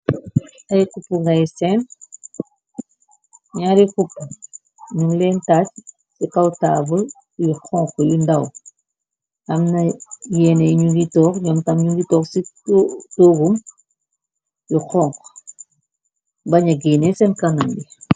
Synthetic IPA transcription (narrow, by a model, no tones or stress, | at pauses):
tɐjikupːuŋɡɐjsɛn | ɲaɾikupːu | ɲumlɛːntaːt͡ʃ | sikɐwtaːbəl | juxɔːŋkjundɐw | ʔɐmnɐjɛːnɛjɲuŋɡitɔːkɲɔmtɐmɲuɡitɔːksitoːɡum | juxɔːŋk | bɐɲɐɡiːnɛsɛnkɐnɐmbi